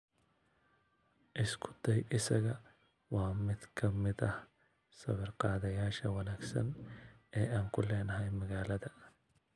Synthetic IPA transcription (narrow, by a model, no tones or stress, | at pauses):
ʔɪskʰʊ̥d̪ɛjʔɪsɐɣɐ | wɑːmɪd̪kʰɐmɪðɐh | sɐ̰βɐrqɑːðɐjaːʃɐwɑnaːɡsɐ̰nɛːaːŋkʰʊlɛːnɐɦɛjmɐɣaːlɐðɐ